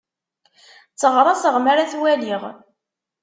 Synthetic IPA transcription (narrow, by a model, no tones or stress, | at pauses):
t͡sːəʁɾˤɑsəʁmaɾaθwæliʁ